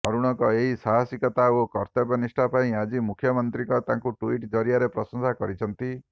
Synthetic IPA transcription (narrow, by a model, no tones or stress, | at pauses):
ɔɾuɽ̃ɔŋkɔeɦisaɦasikɔt̪aokɔɾt̪ɔbɔnisʈʰapaĩad͡ʒimukʰjɔmɔnt̪ɾikɔt̪ãŋkuʈuiʈd͡ʒɔɾijaɾepɾɔsɔnsakɔɾit͡ʃʰɔnt̪i